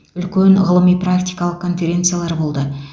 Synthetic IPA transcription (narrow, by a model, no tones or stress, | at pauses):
ʏlkʲenʁəlˠəmijprakt̪ʲijkɑlˠəq̚kʰo̞nfʲe̞ɾʲe̞nt̪sɨjalˠɑɾbo̞lˠd̪ə